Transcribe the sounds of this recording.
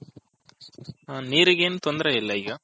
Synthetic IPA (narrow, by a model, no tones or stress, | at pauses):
aniːɾɯɣeːnɯt̪ɔnd̪ɪɾɐɪlːɐjɣɐ